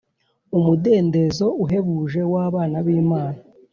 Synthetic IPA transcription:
umude̞ːnde̞zo̞uɦe̞βuːʒe̞waːβaːnaβiːmaːna

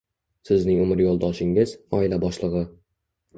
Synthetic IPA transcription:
sɪznɪŋʊmɪɾjolˠd̪ɒʃɪŋɪz̥ɒɪlabɒʃlˠɨʁɨ

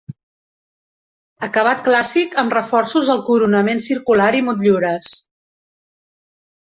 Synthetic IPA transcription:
əkəβ̞at̪̚klasikəmrəfɔrsuzəlˠkuɾunəmensiɾkulaɾimut̪ʎuɾəs

